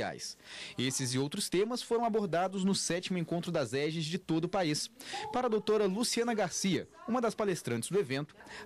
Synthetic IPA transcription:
a̰jsesɪzɪowt̪ɾʊst̪ẽmɐsfoɾɐ̃w̃aboɾd̪ad̪ʊznʊsɛt͡ʃimʊẽkõnt̪ɾʊd̪ɐzɛʒɪzd͡ʒɪt̪od̪ʊːpaispaɾɐːd̪owt̪oɾɐlusiɐ̃nɐɡaɾsiɐ̰ũmɐd̪ɐspalest̪ɾɐ̃t͡ʃɪ̥zd̪ʊevẽnt̪ʊ̥

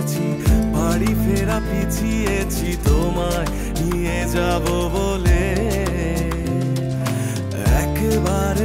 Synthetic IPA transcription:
t͡ɕʰi | baɽifeɾapit͡ɕʰi | et͡ɕʰit̪oma | ni | ed͡ʑabobole | ɛ̰kebaɾe

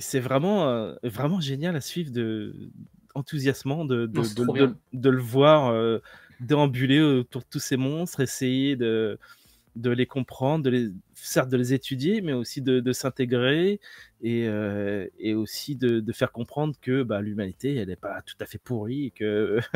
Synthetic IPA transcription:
sɛvʁɛmɑ̃vʁɛmɑ̃ʒenjalasɥivʁd̪ə | ɑ̃t̪uzjasmɑ̃d̪əd̪əd̪d̪ələvwaʁø | d̪eɑ̃byleot̪uʁd̪ət̪usemɔ̃st̪χesejed̪ə | d̪əlekɔ̃pχɑ̃d̪ʁd̪əle | sɛʁt̪̚d̪əlezet̪ʰyd̪jemɛosid̪əd̪əsɛ̃t̪eɡʁe | eøeosid̪əd̪əfɛʁkɔ̃pχɑ̃d̪ʁəkəbalymanit̪eɛlɛpat̪u̥t̪afɛpuʁikə

